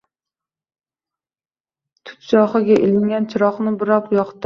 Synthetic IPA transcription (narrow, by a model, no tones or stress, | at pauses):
t̪ʰʊ̥t̪t͡ʃɒχɨɡʲɛʔelɪŋɡʲɛnt͡ʃʰɪɾɒχnɪbɨɾɑpjɑqt̪ɪ